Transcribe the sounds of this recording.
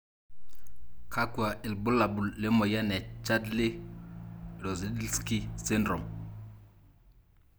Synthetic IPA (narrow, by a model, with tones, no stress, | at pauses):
kʰa˦kwa˨ʔɪ˨lbʊ˦la˨bu˨llɪ˦mɔ˨ja˦nɛ˨t͡ʃa˦dlɪ˦˨ | ɾɔ˨zi˨˦di˦ski˦sɪ˦ndɾɔ˨m